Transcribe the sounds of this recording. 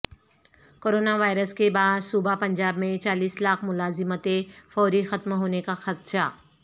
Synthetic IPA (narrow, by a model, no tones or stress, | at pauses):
koːɾoːnaʋaːɪɾəskebaːd̪suːbapɐ̃ɲd͡ʒaːbmẽt͡ʃaːliːslaːqmʊlaːzɪmət̪efɔːɾixɐt̪mɦoːnekaxɐt̪ʃaː